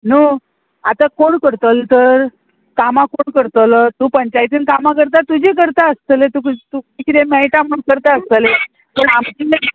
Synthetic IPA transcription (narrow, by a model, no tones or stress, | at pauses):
nu | at̪akoɽkəɾt̪əlt̪əɾ | kamakoɳkəɾt̪ələt̪uːpəɲt͡ɕajt̪inkamak̬əɾt̪̬at̪ud͡ʑek̬əɾt̪aəst̪əlet̪ukt̪ukikit̪emɛʈãməɳkəɾt̪aəst̪əle | məɳamt͡ɕin